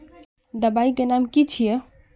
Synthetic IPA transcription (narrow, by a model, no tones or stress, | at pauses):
d̪əbaikenamkit͡ʃʰije